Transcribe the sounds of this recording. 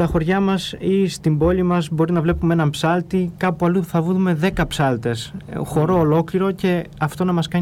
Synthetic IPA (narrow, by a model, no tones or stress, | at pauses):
t̪ɐxo̞ɾʝɐmɐsist̪imbo̞limɐzbo̞ɾinɐvle̞pumeenɐmpsɐlt̪ikɐpuɐluθɐvuðme̞ðe̞kɐpsɐlt̪e̞sxo̞ɾo̞ːlo̞kliɾo̞ce̞ɐft̪o̞nɐmɐskɐ